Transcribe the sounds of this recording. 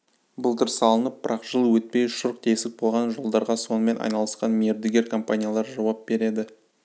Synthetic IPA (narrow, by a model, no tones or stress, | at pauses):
bʊlˠt̪ʰɪɾsɑlˠənəp̚b̥əɾʔɑqʒ̥əlˠwɵt̪̚pe̞jʃʊɾq̚t̪ʰe̞sɪk̚bo̞lˠʁɑnʒo̞lˠd̪ɑɾʁɑso̞nəme̞nɑ̰jnɑlˠəsqɑnmieɾd̪ɪɡʲe̞ɾkʰo̞mpanʲijalˠɑɾʒɑwɑp̚be̞ɾe̞d̪ɪ